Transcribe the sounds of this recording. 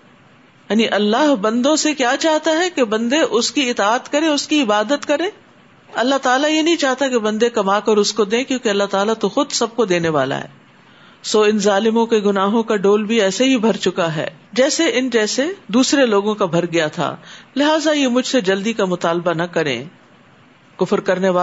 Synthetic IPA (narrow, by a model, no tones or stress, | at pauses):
jaːniʔɐlːaːɦbɐ̃nd̪õsekjaːt͡ʃaːɦt̪aɦɛkebɐ̃nd̪eʔʊskiɪt̪aːt̪kɐɾẽʊskiɪbaːd̪ət̪kɐɾẽː | ɐlːaɦt̪aːlajenɐɦĩt͡ʃaːɦt̪akebɐ̃nd̪ekɐmakɐɾʊskod̪ẽːkjõːkeɐlːaɦt̪aːlat̪oxʊd̪sɐb̚kod̪eːneʋa̰ːla̰ɦɛ̰ː | soːɪnzaːlɪmõkeɡʊnaːɦõkaɖoːlbʱiɛːseɦibʱɐɾt͡ʃʊkaɦɛ̰ːd͡ʒɛːseʔɪnd͡ʒɛːsed̪uːsɾeloːɡõkabʱɐɾɡɐjat̪ʰa̰ːlɪɦaːzajemʊd͡ʒʱsed͡ʒɐld̪ikamʊt̪aːlbanɐkɐɾḛ̃ː | kʊfɾkɐɾneʋa